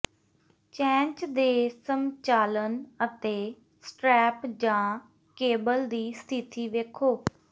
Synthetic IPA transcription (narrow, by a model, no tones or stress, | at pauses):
t͡ʃɛ̃ːɲt͡ʃd̪eːsəmt͡ʃaːlənət̪eː | sʈɾɛːpd͡ʒãː | keːbəld̪iːst̪ʰit̪iːʋeːkʰoː